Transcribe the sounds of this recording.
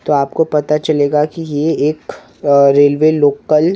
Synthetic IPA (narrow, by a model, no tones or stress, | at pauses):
t̪oaːpkopɐt̪at͡ʃɐleːɡakijeeːk | ɾeːlʋeloːkəl